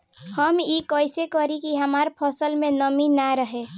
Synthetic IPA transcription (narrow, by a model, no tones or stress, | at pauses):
həmjikəɪsekəɾikiɦəmaːɾpʰəsəlmẽnəminaɾəɦe